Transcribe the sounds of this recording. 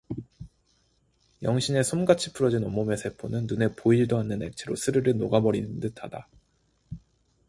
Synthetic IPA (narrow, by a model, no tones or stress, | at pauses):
jʌŋɕʰine̞sʰomɡat͡ɕʰi̥pʰuɾʌd͡ʑinomome̞sʰe̞pʰonɯnːune̞poiɾdoanːɯne̞̰k̚t͡ɕʰeɾosʰɯɾɯɾɯɭnoɡabʌɾinɯndɯtʰad̥a